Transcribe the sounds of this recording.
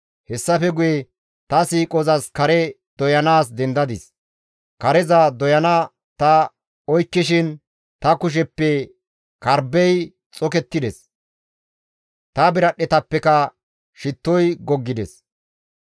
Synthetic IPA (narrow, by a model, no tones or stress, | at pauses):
hɛsːɐfɛɡʊjɛ | t̪ɐsiːkʼɔzɐskɐɾɛ | d̪̥ɔjɐnaːs̬d̪ɛnd̪ɐd̪ɪs | kɐɾɛzɐd̪ɔjɐnɐ | t̪ɐ | ɔjkːɪʃ̬ɪn | t̪ɐkʊʃ̬ɛpːɛ | kɐɾbɛj | t͡sʼɔkɛt̪ːɪd̪ɛs | t̪ɐbɪɾɐɗɛt̪ɐpːɛkɐ | ʃɪt̪ːɔjɡɔɡːɪd̪ɛs